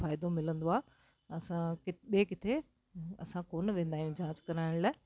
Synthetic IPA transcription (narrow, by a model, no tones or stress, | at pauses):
faːɪd̪omɪlə̃nd̪oaː | ɐsãkɪɓiekɪt̪ʰe | ɐ̰sãkoːnʋẽːnd̪aɦijũd͡ʑãːd͡ʑkɐɾaːɪɽ̃laː